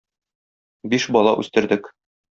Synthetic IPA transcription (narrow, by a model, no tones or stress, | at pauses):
biʃbɒlˠɑ̰ʔʉ̰st̪ɘ̆ɾd̪ɘk